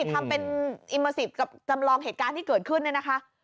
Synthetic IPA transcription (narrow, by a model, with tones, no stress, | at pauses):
i˨˩t̪ʰːa˧mpe˧nʔi˧məː˧si˨˩p̚ka˨˩p̚t͡ɕa˧mlɔː˧ŋɦeː˨˩t̪̚kaː˧t̪ʰiː˥˩kɤː˨˩t̪̚kʰɯ˥˩nːi˥˩na˦˥kʰa˦˥ʔ